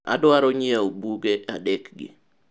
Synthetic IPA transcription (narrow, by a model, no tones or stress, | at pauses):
a̰dwaɾɔɲɪaobuɡeʔa̰dɛkɡɪ̰